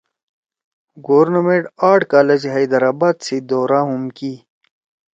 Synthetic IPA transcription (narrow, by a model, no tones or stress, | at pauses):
ɡoːɾnɐmeʈaːʈkaːlɐd͡ʑiɦɐjd̪ɐɾaːbaːt̪sid̪oːɾaːɦumki